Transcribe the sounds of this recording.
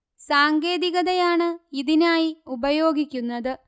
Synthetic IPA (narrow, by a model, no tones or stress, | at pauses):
saːŋɡe̞ːðiɣɐðɐjaːɳɨiðinaːjiubɐjo̞ːɡikʲːunːɐðɨ